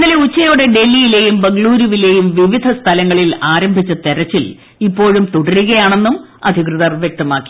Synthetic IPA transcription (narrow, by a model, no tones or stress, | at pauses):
nːɐleut͡ɕːɐjo̞ːɽe̞ɖe̞lːijile̞ːjumbɐŋɡɭuːɾuʋile̞ːjumʋiʋid̪ʱɐst̪ʰɐlɐŋːɐɭilaːɾɐmbʱit͡ɕːɐt̪eɾɐt͡ɕːil | ipːo̞ːɻumt̪uɽɐɾuɣɐjaːɳe̞nːumɐ̰d̪ʱikrɨðɐrʋjek̚t̪ɐmaːkːi̥